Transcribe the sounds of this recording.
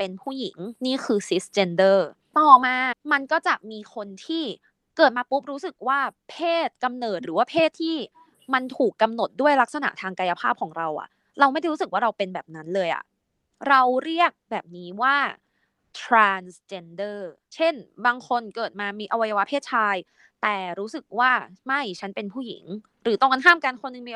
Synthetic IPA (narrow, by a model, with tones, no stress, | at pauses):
pe˧npʰuː˥˩ji˨˩˦ŋniː˥˩kʰɯː˧si˦˥st͡ɕe˧ndɤː˥˩ | t̪ɔː˨˩maː˧ma˧nkɔː˥˩t͡ɕa˨˩ʔmiː˧kʰo˧nt̪ʰiː˥˩ | kɤː˨˩t̪̚maː˧pu˦˥p̚ɾuː˦˥sɯ˨˩k̚waː˥˩pʰeː˥˩t̪̚ka˧mnɤː˨˩t̪̚ɾɯː˩˦waː˥˩pʰeː˥˩t̪ʰːiː˥˩ | ma˧nt̪ʰuː˨˩kːa˧mno˨˩t̪̚du˥˩əjla˦˥k̚sa˧na̰˨˩t̪ʰaː˧ŋkaː˧ja˧˥pʰaː˥˩p̚kʰɔː˩˦ŋɾa˧wʔa̰˨˩ʔ | ɾa˧wma˥˩jjɾuː˦˥sɯ˨˩kwaː˥˩ɾa˧wpe˧nbɛː˨˩p̚na˦˥nlɤː˧jʔa̰˨˩ | ɾa˧wɾi˥˩ək̚bɛː˨˩p̚niː˦˥waː˥˩ | t̪ʰɾaː˧nst͡ɕe˧ndɤː˥˩ | t͡ɕʰe˥˩nbaː˧ŋkʰo˧nkɤː˨˩t̪̚maː˧miː˧ʔa˧wa˧ja˧wa˦˥pʰeː˥˩t̪̚t͡ɕʰaː˧j | t̪ɛː˨˩ɾuː˦˥sɯ˨˩k̚waː˥˩ma˥˩jt͡ɕʰa˦˥npe˧npʰuː˥˩jḭ˨˩˦ŋ | ɾɯː˩˦t̪ɔ˥˩ŋka˧nɦaː˥˩mkaː˧nkʰo˧nːɯ˨ŋmiː˧